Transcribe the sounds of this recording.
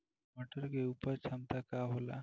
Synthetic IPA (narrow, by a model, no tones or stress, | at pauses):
məʈəɾɡeupəɾt͡sʰamt̪akaɦola̰